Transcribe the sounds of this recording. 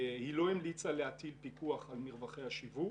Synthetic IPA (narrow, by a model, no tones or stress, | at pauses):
hilo̞imlit͡saleat̪ilpikuaχalmiʁvaχejaʃivu